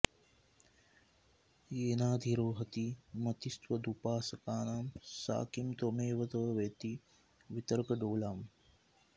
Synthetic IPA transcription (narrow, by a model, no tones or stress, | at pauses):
jeːnaːd̪ʱiɾoːɦɐt̪imɐt̪ist̪wɐd̪upaːsɐkaːnaːmsa̰ːkimt̪omeːʋɐt̪ɐʋeːt̪i | ʋit̪əɾkɐɖoːlaːm